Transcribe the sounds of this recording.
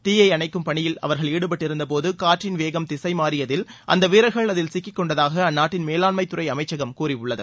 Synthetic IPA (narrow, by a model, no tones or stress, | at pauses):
t̪iːjɐɪɐɳɐɪkːɯmpɐɳɪjɪlɐ̰ʋɐɾɣɐɭiːɽɯpɐʈːɪɾɯnd̪ɐpoːðɯkaːʈrɪnʋeːɣɐmt̪ɪsɐɪmaːɾɪjɐðɪlʔɐ̰nd̪ɐʋiːɾɐɣɐɭɐðɪlsɪkːɪkːɔɳɖɐðaːɣɐːnːaːʈːɪnmeːlaːnmɐɪt̪ːʊrɐɪɐmɐɪt͡ʃːɐɣɐmkuːɾɪʊɭːɐðɯ̰